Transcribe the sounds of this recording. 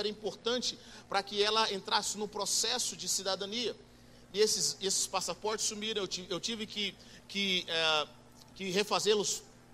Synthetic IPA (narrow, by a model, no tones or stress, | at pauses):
ɛɾɐĩpoɾt̪ɐ̃t͡ʃɪpɾɐkɪɛlɐẽnt̪ɾasɪnʊpɾosɛsʊd͡ʒɪsid̪ad̪ɐ̃niɐ | ɪesɪsesɪ̥spasapɔɾt͡ʃɪ̥sumiɾɐ̃w̃ewiewt͡ʃivɪkɪ | kɪɛ | kɪɦefazelʊs